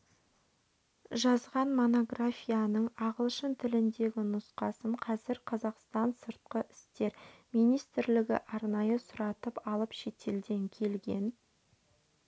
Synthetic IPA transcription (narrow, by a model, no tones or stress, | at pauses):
ʒɑzʁɑnmo̞no̞ɡrafʲijanəɴɑʁəlˠʃənt̪ʰɪlɪnd̪e̞ɡʲɪnʊsqɑsəɴqʰɑzɪɾqʰɑzɑqst̪ɑnsəɾt̪̚qəʔɪ̥st̪e̞ɾmijnijst̪ɪɾlɪɡʲɪ̰ʔɑɾnɑjəsʊɾɑt̪əpɑlˠəpʃe̞t̪ʰe̞ld̪e̞ŋkʲʰe̞lɡʲe̞̰n